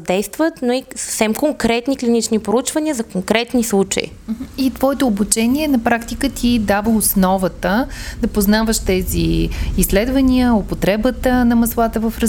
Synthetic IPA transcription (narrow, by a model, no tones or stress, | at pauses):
d̪ɛjst̪vət̪noisə̥fsɛmkoŋkɾɛt̪niklʲinit͡ʃnipɾout͡ʃvɐnʲiəzɐkoŋkɾɛt̪nislˠut͡ʃə̰ḭ | it̪v̥ɔɛt̪oːbut͡ʃɛniɛnɐpɾakt̪ikət̪ʰid̪avəosnɔvət̪əd̪ɐpoznavəʃt̪ɛzḭisːlɛd̪vɐnʲiəopot̪ɾɛbət̪ənɐmɐslˠat̪əvəfɾ